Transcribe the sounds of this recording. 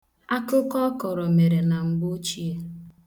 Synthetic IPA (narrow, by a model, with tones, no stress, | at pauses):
a˦kʊ˦kɔ˦kɔ˨ɾɔ˨me˨ɾe˨na˨ŋ͡m̩˨ɡ͡bʊ˦t͡ʃi˦e˦